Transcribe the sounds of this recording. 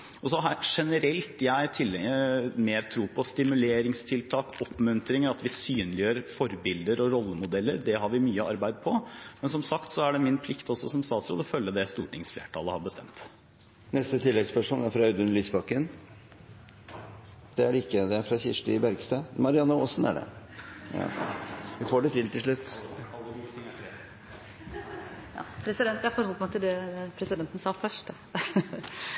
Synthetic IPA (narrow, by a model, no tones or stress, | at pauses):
ɔsɔɦɑʂɛnəɾɛlt̪jæɪt̪ʰɪlːɛəmeːɾt̪ʰɾuːpʰɔst̪ɪmʉleːɾɪŋst̪ʰɪlt̪ʰɑːkɔpːmʉnt̪ɾɪŋəɾɑt̪ʋɪsyːnlɪjøːɾfɔɾbɪld̪əɾɔɾɔlːəmʊd̪ɛlːəɾd̪ɛɦɑɾʋɪmyːəɑɾbæɪd̪̚pʰɔmɛnsɔmsɑkt̪sɔæɖɛmɪnpʰlɪkt̪ɔsːɔsɔmst̪ɑːt̪sɾṵːd̪ɔfœlːəd̪ɛst̪uːʈɪŋsflḛːʈʰɑ̰lˠəhɑɾbəst̪ɛ̰mt̪ | nɛst̪ət̪ʰɪlːɛɡspæʂuːnæɾfɾɑɑʉd̪ʉnlyːsbɑkːən | d̪̥ɛæɖɪkːəd̪ɛæɾfɾɑçɪʂʈəɪbæɾɡst̪ɑmɑɾɪɑnːəoːsnæ̰ɖɛ̰ | ʋɪfoːɖɛt̪ʰɾɪlt̪ʰɪlʂ̬ɭʉt̪ːɑlːəɡut̪ʰiːt̪ɾe | jɑ̰ːpʰɾɛsɪd̪ɛnt̪æɾfɔɾhɔlːˠmɑt̪ɪld̪ɛpʰɾɛsɪd̪ɛnt̪ən̩sɑːfœʂʈə